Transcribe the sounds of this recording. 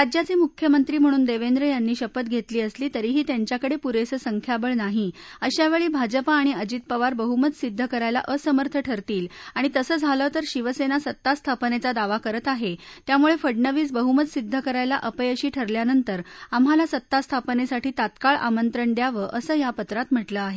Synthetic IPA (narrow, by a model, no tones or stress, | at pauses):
ɾad͡ʑjat͡semukʰjəmənt̪ɾiːm̤əɽ̃uːnd̪eʋend̪ɾəjanːiːɕəpət̪ɡʱet̪liːəsliːt̪əɾiːɦiːt̪jaɲt͡ɕjakəɽepuɾesəsəŋkʰjabəɭnaɦiəɕjaʋeɭiːbʱad͡ʑəpaːɽ̃iəd͡ʑit̪̚pəʋaɾbəɦuməd̪sid̪ʱːəkəɾajla̰ʔəsəməɾt̪ʰəʈʰəɾt̪iːlaɽ̃it̪əsəːd͡zʱaləːt̪əɾɕiʋəsenasət̪ːast̪ʰapənet͡sad̪aʋakəɾət̪aɦet̪jamuɭefəɽɳəʋiːsbəɦumət̪sid̪ʱːəkəɾajla̰ʔəpəjəɕiːʈʰəɾljanənt̪əɾamɦalasət̪ːast̪ʰapənesaʈiːt̪at̪kaɭʔa̰mənt̪ɾəɳd̪jaʋəʔəsəːjapət̪ɾat̪m̤əʈləaɦe